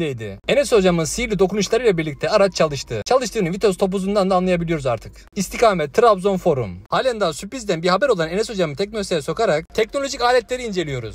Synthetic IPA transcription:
d̪ejd̪ɪ̰enɛso̞d͡ʒamɯnsilʲid̪o̞kunuʃlˠaɾɯilʲɛabiɾlʲic̚t̪ʰɛaɾat͡ʃt͡ʃʰalˠɯʃt̪ʰɯ̰t͡ʃʰalˠɯʃt̪ɯːnɯnvit̪o̞st̪ʰo̞p̬uzund̪and̪aːnlˠajabilʲijo̞ɾuzaɾt̪ʰɯk | ist̪ʰikaːmɛt̪ʰːɯɾabzo̞nfo̞ɾṵmhaːlʲand̪ansypizd̪ænbiɾhabɛɾo̞lˠanenɛso̞d͡ʒamɯnt̪ʰɛk̚nolʲost̪ejɛso̞kaɾak̚t̪ʰɛcno̞lʲoʒicaːlʲɛt̪lʲe̞ɾiːnd͡ʒe̞lʲijo̞ɾṵz̥

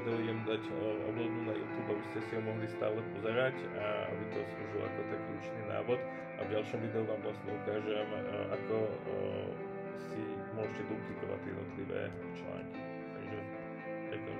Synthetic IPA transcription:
d̪ɛujɛmd̪acʔɔ̰blabnunajṵːt̪juːbabiscɛsiɦɔmɔɦlist̪aːlɛpɔzɛɾac | aa̰bit̪ɔsluːʒila̰kɔt̪akiṵːt͡ʃnina̰ːʋɔt̪ | a̰vɟalʃɔmʋiːd̪ɛuʋaːmvlast̪ɲɛukaːʒɛmʔakɔ | si | mʊɔʒɛcɛd̪uplikɔʋa̰t̪jɛ̰d̪nɔ̰t̪liʋɛ̰ː | t͡ʃla̰ŋki̥ | t̪aɡʒɛ̰ | pɛɡd̪ɔ̰m

